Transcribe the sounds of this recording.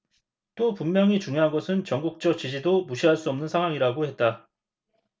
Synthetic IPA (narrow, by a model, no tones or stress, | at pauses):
t͈opummjʌŋit͡ɕuŋjoɦanɡʌsʰɯnt͡ɕʌŋɡuk̚t͡ɕ͈ʌt͡ɕid͡ʑidomuɕʰiɦaɭs͈uʌmnɯnsʰaŋɦwaŋiɾaɡohe̞t̚t͈a